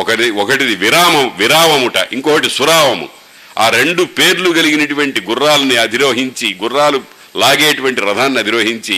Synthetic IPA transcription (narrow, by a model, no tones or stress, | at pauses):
ɔkɐʈiiɔkɐʈid̪iʋiɾaːmɐmuʋiɾaːʋɐmuʈɐ̰ʔiŋkɔkɐʈisuɾaːʋɐmṵ | aːɾe̞ɳɖupe̞ːɾluɡɐliɡinɐʈuʋɐɳʈiɡurːaːlɐniɐd̪ʱiɾoːɦiɲt͡ʃiɡurːaːlu | laːɡeːʈuʋɐɳʈipɾɐd̪ʱaːnːiɐd̪ʱiɾoːɦiɲt͡ʃi